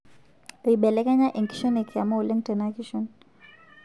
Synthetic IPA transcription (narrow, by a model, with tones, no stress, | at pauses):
li˨i˨ɓɛ˨lɛ˦kɛ˦ɲa˦ʔɛ˨ŋki̥ʃɔ˦ne˨kʰa˨ma˦u˨lɛ˦ŋtɛ˨na˦ki˦ʃɔn